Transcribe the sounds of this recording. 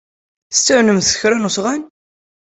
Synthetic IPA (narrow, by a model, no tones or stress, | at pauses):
st͡sːəʕnəmθə̥çɾænusʁæn